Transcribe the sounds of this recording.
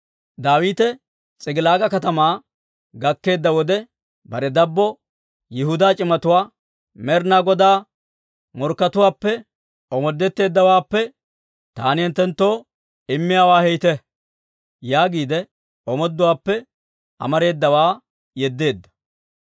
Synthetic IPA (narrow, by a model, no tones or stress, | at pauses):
d̪aːwiːt̪ɛ | t͡sʼɪɡɪlaːɡɐkɐt̪ɐmaː | ɡɐkːe̞ːd̪ːɐwɔd̪ɛ | bɐɾɛd̪ɐbːɔ | jɪhʊd̪aːt͡ʃʼɪmɐt̪ʊwaː | mɛɾnaːɡɔd̪aː | mɔɾkːɐt̪ʊwaːpːɛ | ɔmɔd̪ːɛt̪ːe̞ːd̪ːɐwaːpːɛ | t̪aːnɪhɛnt̪ːɛnt̪ːoː | ɪmːɪjaːwaːhɛjt̪ɛ | jaːɡiːd̪ɛ | ɔmɔd̪ːʊwaːpːɛ | ɐ̰mɐɾe̞ːd̪ːɐwaː | jɛd̪ːe̞ːd̪ːɐ̥